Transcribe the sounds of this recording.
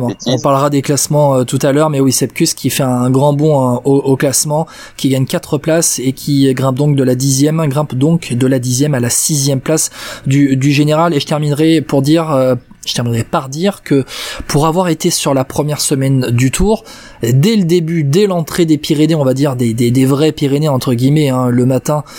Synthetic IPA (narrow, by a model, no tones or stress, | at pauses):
ɔ̃paʁləʁad̪eklasmɑ̃øt̪ut̪alœʁmɛwisɛp̚kʲyskʲifɛɛ̃ːɡʁɑ̃bɔ̃ooklasmɑ̃ | kʲiɡaɲkat̪χəplasekʲʰiɡʁɛ̃p̚d̪ɔ̃k̚d̪əlad̪izjɛm̃ɡʁɛ̃pd̪ɔ̃kd̪əlad̪izjɛmalasizjɛmplasd̪yd̪yʒeneʁaleʒə̥t̪ɛʁminʁɛpuʁd̪iʁø | ʒ̥ət̪ɛʁminʁɛpaʁd̪iʁkəpʰuʁavwaʁet̪esyʁlapχəmjɛʁsəmɛnd̪yt̪ʰuːʁ | d̪ɛləd̪ebyd̪ɛlɑ̃t̪χed̪epiʁeneɔ̃vad̪iʁd̪ed̪ed̪evʁɛpiʁeneɑ̃t̪χəɡʲimɛɛ̃ləmat̪ɛ̃